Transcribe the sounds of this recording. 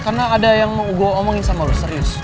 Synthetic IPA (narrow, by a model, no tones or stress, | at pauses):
karnaːdajaŋməŋuɡoomɔŋɪnsamalɔsəɾiʊs